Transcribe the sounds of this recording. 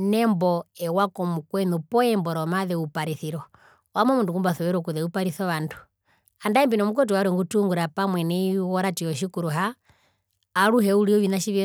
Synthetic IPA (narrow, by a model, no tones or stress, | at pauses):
nɛmbɔɛwakɔmukwɛnupɔɛmbɔɾɔmaðɛupaɾiθiɾɔ | wamɔmunduŋɡumbaθɔβɛɾɔkuðɛupaɾiθɔβandu̥ | andaɛmbinɔmuk̬wɛt̬uwaɾɛŋɡutuŋɡuɾapamwɛnɛiwɔɾatiɔʃikuɾuɦa | ɾuɦɛuliɔβinaʃiʋjɛ